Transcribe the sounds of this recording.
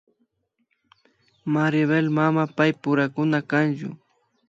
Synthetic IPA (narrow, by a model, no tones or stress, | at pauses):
maɾjaβelmamapajpʊɾakʊnakant͡ʃʊ̰